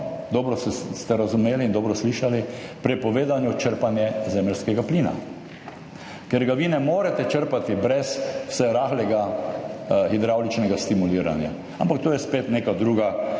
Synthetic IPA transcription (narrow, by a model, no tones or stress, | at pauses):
d̪ɔːbɾɔsɛst̪ɛɾazʊmeːliːnd̪ɔːbɾɔsliʃalipɾɛpɔʋeːd̪anjut͡ʃəɾpanjɛzɛːməlʲskɛɡapliːna̰ | keɾɡaʋinɛmoːɾɛt̪ɛt͡ʃəɾpat̪ibɾɛsw̥sɛɾaːxlɛɡa | xid̪ɾawlit͡ʃnɛɡast̪imuliːɾa̰nja̰ | a̰mpak̚t̪oːjɛspeːt̪neːkad̪ɾuːɡa